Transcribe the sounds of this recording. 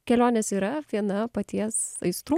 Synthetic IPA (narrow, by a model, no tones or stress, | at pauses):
kʲɛlʲoːnʲesiːɾɐʋʲiɛnɐpɐt̪ʲiɛsɐ̰ɪst̪ɾuː